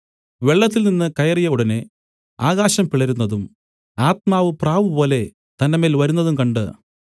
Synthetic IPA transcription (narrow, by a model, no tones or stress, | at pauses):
ʋe̞ɭːɐt̪̬ːilninːɨkɐjɐrijɐuɽɐne | aːɣaːɕɐmpiɭɐɾunːɐðum | aːt̪̚maːʋɨpraːʋɨpo̞ːle̞ | t̪ɐndɐmeːlʋɐɾunːɐðumkɐɳɖɨ̰